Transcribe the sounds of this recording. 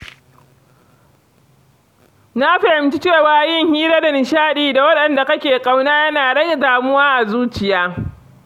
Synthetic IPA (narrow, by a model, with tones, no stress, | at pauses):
na˦ɸɪ˨hɪ˨mt͡ʃi˦t͡ʃeː˦˨waː˦jɪ˦ŋhiː˦ɾaː˦da˨nɪ˨ʃaː˦ɗiː˦da˨wɐ˦ɗɐ˨nda˨kɐ˦kʲeː˨kʼa˦wnaː˦jɐ˦naː˨dɐ˦˨daː˨mʊ˦waː˦ʔa˨zuː˦t͡ʃɪ˨jaː˦